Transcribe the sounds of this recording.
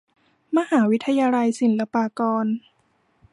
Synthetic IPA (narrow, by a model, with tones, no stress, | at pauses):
ma˧haː˩˦wi˦˥t̪ʰːa˧jaː˧la˧jsi˨˩˦nla˧paː˧kɔː˧n